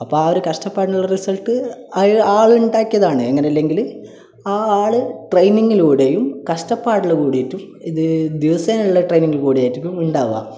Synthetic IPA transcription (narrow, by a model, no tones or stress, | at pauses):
ɐpːoːaoɾukɐʂʈɐpːaːʈɭɐrisɐlʈːɨɐaːɭuɳɖaːkːijɐðaːɳɨeŋːɐneɐlːe̞ŋɡil | aːɭɨʈrejniŋɡiluːɽejumkɐʂʈɐpːaːʈiɭkuːɽijetːum | iðɨd̪iʋɐseːnuɭːɐʈrejniŋɡiɭkuːɽijaːjitːikʲːumuɳɖaːʋa̰